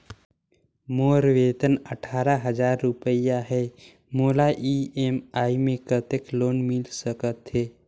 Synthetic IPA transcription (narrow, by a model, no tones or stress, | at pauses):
moːɾʋeːt̪ənəʈʰaːɾaɦəd͡ʒaːɾːʊpəjaɦɛː | moːlaʔiemaːimẽkət̪ekloːnmɪlsəkət̪ɦeː